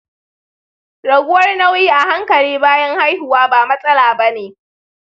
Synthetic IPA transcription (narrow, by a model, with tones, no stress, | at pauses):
ɽɐ˨ɡʷʊ˦wɐ˦rna˦wjiː˦ʔa˨ha˦ŋkɐ˨ɽiː˦baː˦jɐ˦ŋha˦jhʊ˨waː˦baː˨mɐ˦sʼɐ˦laː˨bɐ˦neː˨